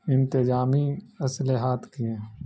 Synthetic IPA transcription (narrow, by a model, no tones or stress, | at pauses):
ɪ̃nt̪ɪd͡ʒaːmiɐsleɦaːt̪ʰkiẽː